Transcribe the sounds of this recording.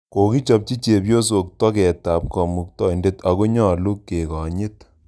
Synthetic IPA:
ko˨ki˦t͡ʃɔ˦p̚t͡ʃi˦t͡ʃe˨pjo˦s̬o˨k̚tɔ˦kɛ˨ta˨p̚kɔ˨mu˨k̚tɔ˦i˨nde˦ta˨ko˦ɲɔ˦˨lu˦kːe˨kɔ˨ɲɪ˦t

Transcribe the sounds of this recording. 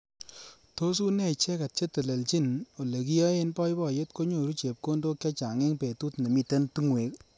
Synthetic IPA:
to˦s̬u˦nɛ˦˨t͡ʃɛ˦ka˨t̚t͡ʃe˦te˨le˨lt͡ʃi˦˨no˨le˨ki˦jɔ˦e˦npɔ˦jbɔ˦˨je˦t̚ko˦ɲo˨ɾu˦t͡ʃe˨p̚ko˦ndo˦kːɛ˦t͡ʃa˨ŋe˦ŋpe˨tu˦tne˨mi˦˨te˦ntu˦ŋwe˨˦k

